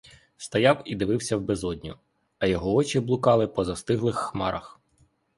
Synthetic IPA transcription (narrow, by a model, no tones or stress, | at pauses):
st̪ɐjɑwid̪ɪʋɪwsʲɐwbezɔdʲnʲʊ | ɐjɔɦɔɔt͡ʃɪblˠʊkɑlˠɪpɔzɐst̪ɪɦlˠɪxːmɑɾɐx